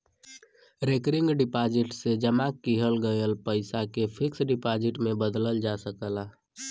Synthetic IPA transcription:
ɾekɾɪŋɡɖɪpad͡ʒɪʈsed͡ʒəmakːiɦəlɡəjəlpəɪsakepʰɪksɖipad͡ʒɪʈmẽbəd̪ləld͡ʒasəkəla

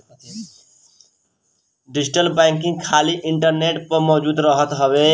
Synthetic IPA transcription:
ɖɪd͡ʒɪʈəlbɛ̃ːŋk̬ɪ̃ŋɡkʰaːliʔɪ̃ɳʈəɾneːʈpəɾmɔːd͡ʒuːd̪ɾəɦət̪ɦəʋeː

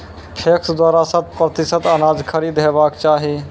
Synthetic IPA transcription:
pʰeksd̪waːɾasə̃d̪̚pɾət̪isət̪ənad͡ʒkʰəɾid̪ɦebaːkt͡ʃaːɦi

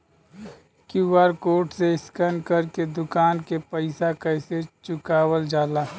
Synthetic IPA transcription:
kuwaːɾkoːʈseɪskənkəɾked̪ʊkaːnkepəɪsakəɪset͡ʃʊkaːwəld͡ʒaːlaː

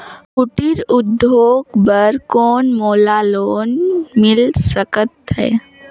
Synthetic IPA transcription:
kʊʈiɾʊd̪ːʱoːɡbəɾkɔːnmoːlaloːnmɪlsəkət̪ɦɛ̰ː

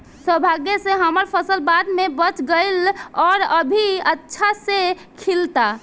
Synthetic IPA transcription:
səbʱaɡjeseɦəməɾpʰəsəlbad̪mebət͡ʃɡəɪlɔɾəbʱiətːʃʰase | kʰilt̪a

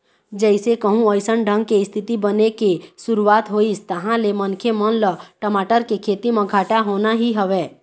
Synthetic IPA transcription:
d͡ʒɛɪsekəɦũəɪsənɖʱə̃ŋɡ̚keɪst̪ʰɪt̪ibənekesʊɾuaːt̪ɦoːist̪əɦãlemənkʰemənləʈəmaːʈəɾkekʰeːt̪imẽɡʱaːʈaɦoːnaɦiɦəʋeː

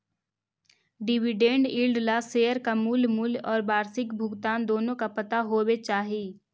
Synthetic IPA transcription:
ɖɪʋɪɖẽːɳɖɪlɖlaseːjəɾkamuːlmulɔːɾbaːɾsɪkbʱʊɡt̪aːnd̪oːnõkapɐt̪aɦoːwet͡ʃaːɦeː

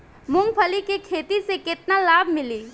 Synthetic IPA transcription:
mʊ̃ŋɡpʰəlikekʰeːt̪isekɪt̪nalaːbʱmɪliː

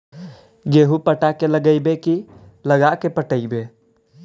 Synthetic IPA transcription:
ɡeɦupəʈakeləɡəjbeki | ləɡakepəʈəɪbe

